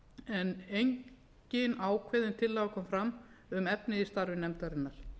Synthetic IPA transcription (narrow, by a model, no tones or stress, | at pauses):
ɛnejɲ | cɪnaːwkʰvɛːðɪnt̪ʰɪlːaːɣakʰɔmfɾamʏmɛpnɪist̪aɾvɪnɛmt̪aɾɪnːaɾ̥